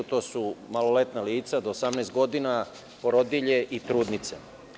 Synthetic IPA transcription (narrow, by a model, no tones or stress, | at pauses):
t̪oːsumalolet̪naliːt̪sad̪oːsamnɛːst̪̚ɡo̞d̪ina | poɾod̪iʎeʔit̪ɾuːd̪nit̪se